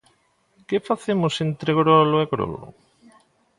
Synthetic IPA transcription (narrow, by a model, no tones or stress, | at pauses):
kefaθemosent̪ɾeɣɾoloeɣɾo̰lo̰